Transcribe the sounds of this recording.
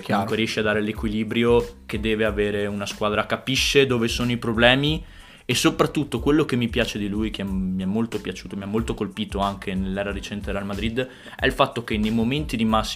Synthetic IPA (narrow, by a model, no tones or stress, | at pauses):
kukweɾiɛʃːiad̪ːaːɾelekwiliːbɾjoked̪ːɛːveaveːɾeunaskwaːd̪ɾakapiʃːed̪oːvesoːnoipɾoblɛːmi | esːopɾat̪ːut̪ːokwelːokemːipjaːt͡ʃed̪ilujk̟eɛmiɛmːolt̪opjat͡ʃuːt̪omiamːolt̪okolpiːt̪oaŋk̟ʰenelːɛːɾaɾet͡ʃɛnt̪eɾealmad̪ɾid̪ | ɛ̰lfat̪ːokenːejmoment̪id̪imasː